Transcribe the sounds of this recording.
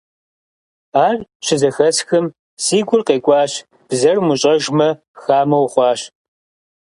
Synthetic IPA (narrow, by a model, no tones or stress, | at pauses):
aːrʃʰɪzɐxɐsxɨm | siːɡʷʊrqeːkʷʼɑːɕ | b̥zɐrmʊɕʼɐʒmɐ | xaːmɐwχʷɑːɕ